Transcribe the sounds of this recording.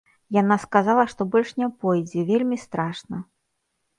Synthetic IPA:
janaskazalˠɐʂt̪ɔbɔlʲʂnʲɛpɔjd͡zʲɛvʲelʲmʲist̪ɾaʂnɐ

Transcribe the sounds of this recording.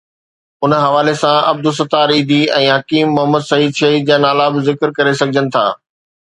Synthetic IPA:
ʊnɦɐʋaːlesãɐb̚d̪ʊs̬ɐt̪aːɾĩːd̪ʱiɛ̃ːɦɐkiːmːʊɦəməd̪sɐiːd̪ʃɐɦiːd̪̚d͡ʑaːnaːlabɪzɪkəɾkɐɾesɐɡʱɪd͡ʑənɪ̆t̪ʰa̰ː

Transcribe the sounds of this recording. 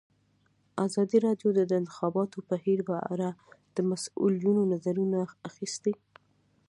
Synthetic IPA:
azɑd̪iɾɑɖjod̪ad̪əɪnt̪ɪ̥xɑbɑt̪opahiɾbaʔa̰ɾad̪̥əmasṵljunonazaɾunaːxist̪i

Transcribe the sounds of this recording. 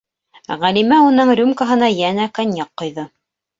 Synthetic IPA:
ʁælimæunɤɴɾʲumkaɦɤ̆nɑjænækɑnʲjɑqːŏjðɤ

